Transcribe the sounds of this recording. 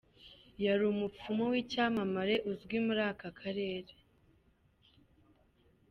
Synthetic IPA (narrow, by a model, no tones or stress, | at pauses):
jaɾumup͡fumowiːcaːmamaɾe̞ʔuzɡwimuɾaːkakʰaɾe̞ːɾe